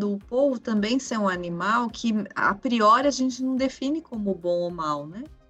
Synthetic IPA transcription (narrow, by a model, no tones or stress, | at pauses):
d̪ʊːpovʊt̪ɐ̃mbẽj̃sẽũanimawkʰɪa̰pɾiɔɾɪaʒẽnt͡ʃɪnɐ̃w̃d̪efĩnɪkõmʊbõw̃omawnɛ